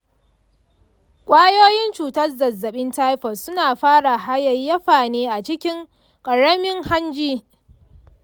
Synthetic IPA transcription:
kʷʼaː˦joː˦jɪ˦nt͡ʃuː˨tɐ˦rzɐ˨zːɐ˨ɓɪ˦nta˦jɸɔ˨sːʊ˦naː˨ɸaː˦ɽa˨ɦa˦jɐ˨jːɐ˦ɸaː˨neː˦ʔa˨t͡ʃɪ˦kʲɪ˦ŋ | kʼɐ˨ɽɐ˦mɪ˦ŋha˦nd͡ʒiː˦

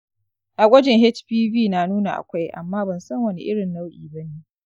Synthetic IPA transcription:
ʔa˨ɡʷɐ˦d͡ʒɪ˨ŋɦɛ˦t͡ʃɸiː˦biː˦naː˨nuː˦na˨ʔa̰˨kʷa˦jʔa̰˨mːaː˦bɐ˨nsɐ˦ŋwɐ˦nḭ˦ʔɪ˦ɽɪ˨nːa˦wʔḭː˨bɐ˦neː˦

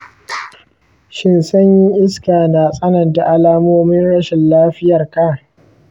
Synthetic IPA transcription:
ʃɪ˦˨nsɐ˦ɲjɪ˦ŋʔɪ˦skaː˨na˨sʼɐ˦nɐ˨nda˨ʔa˦laː˦moː˦mɪ˦nɽɐ˦ʃɪ˨nlaː˦ɸɪ˦jɐ˨rka˦˨

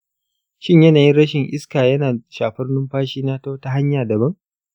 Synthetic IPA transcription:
ʃɪ˦ɲjɐ˦naː˨ji˦ɽɐ˦ʃɪ˨ŋʔɪ̰˦skaː˨jɐ˦naː˨ʃaː˨ɸɐ˦rnʊ˦mɸaː˦ʃiː˦na˦ta˦wta˦ɦa˦ɲjaː˨dɐ˨bɐ˦ŋ

